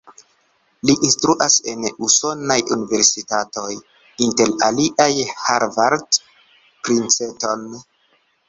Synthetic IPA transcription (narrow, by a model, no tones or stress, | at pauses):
liʔinstɾuʔase̞nuso̞najṵnive̞ɾsitato̞j | inte̞ɾaliʔajhaɾvaɾd | pɾint͡seto̞n